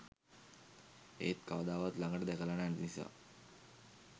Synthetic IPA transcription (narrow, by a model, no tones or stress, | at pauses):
ḛːt̪kaʋd̪aːʋat̪laŋɡəʈəd̪ɛkəlanannisa̰ː